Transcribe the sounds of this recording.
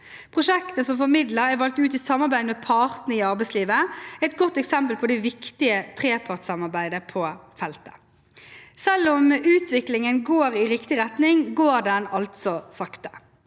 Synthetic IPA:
pʰʁʊʂɛkt̪əsɔmfɔɾmɪd̪ləɾæɾʋɑlt̪ʉːt̪ɪsɑmːɑɾbæɪd̪əmɛpʰɑʁt̪nəɪɑɾbɛɪsliːʋəɛɪt̪̚ɡɔt̪ːɛksɛmpəlpʰɔd̪ɛʋɪkt̪ɪət̪ʰʁeːpʰɑʁʈsɑmɑʁbæɪd̪əpʰɔfɛlt̪ə̥ | sɛlːɔmʉːt̪ʋɪklɪŋənɡoːɾɪɾɪkt̪ɪʁɛt̪nɪŋɡoːdɛnɑlt̪sɔsɑkt̪ə̥

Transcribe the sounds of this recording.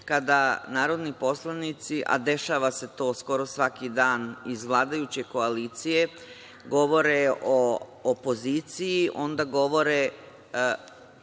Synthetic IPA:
kad̪anaːɾo̞d̪nipo̞slˠanit̪siʔa̰d̪e̞ʃaʋase̞t̪o̞ːsko̞ɾo̞sʋakid̪aːnizʋlˠaːd̪ajut͡ɕe̞ko̞aliːt̪sije̞ | ɡo̞ʋo̞ɾeoːpo̞ziːt̪sijiʔo̞̰nd̪aɡo̞ʋo̞ɾe

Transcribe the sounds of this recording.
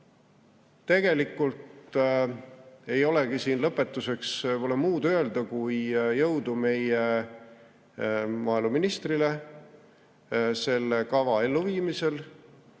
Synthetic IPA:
t̪e̞ɡ̥e̞likˑːult̪ | e̞jo̞leɡ̥isiːnlɤpːˑe̞t̪ːˑuse̞kspolemuːd̪øeld̪̥ɑkujjɤwd̪ume̞je | mɑːeluminist̪rile̞ | se̞lːekɑvɑe̞lːuviːmise̞l

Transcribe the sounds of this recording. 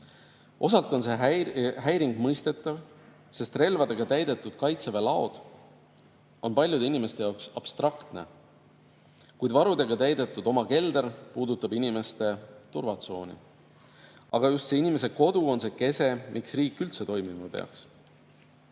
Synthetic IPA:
ʔo̞sɑlt̪ːˑo̞nse̞ɦɦæjɾiŋɡ̥mɤjst̪e̞t̪ːˑɑv | se̞st̪re̞lvɑd̪e̞ɡ̥ɑt̪æjd̪e̞t̪ːˑud̪̥kɑjt̪sevelɑo̞̰d̪̥ | o̞npɑlʲjud̪e̞inime̞st̪e̞jɑwksɑb̥st̪rɑkt̪ne̞̰ | kujd̪vɑɾud̪e̞ɡɑt̪æjd̪e̞t̪ːˑud̪o̞mɑke̞ld̪̥erpuːd̪ut̪ːˑɑbinime̞st̪e̞t̪urvɑt̪so̞̰ːnʲḭ | ɑɡ̥ɑjust̪se̞inʲime̞s̬e̞ko̞d̪uo̞nse̞ke̞se̞mʔiksriːkːˑylt̪se̞t̪o̞jmimɑpe̞ɑ̰ks

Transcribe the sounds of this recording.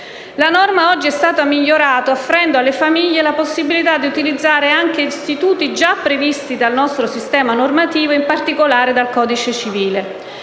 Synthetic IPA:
lanɔrmaɔd͡ʒːiɛst̪aːt̪amiʎːoɾaːt̪oafːɾɛnd̪oalːefamiʎːelaposːibilit̪ad̪ːiut̪ilid̪zːaːɾeaŋk̟eist̪it̪uːt̪id͡ʒapːɾevist̪id̪alnɔst̪ɾosist̪ɛːmanormat̪iːvoimpart̪ikolaːɾed̪alkɔːd̪it͡ʃet͡ʃiviːle

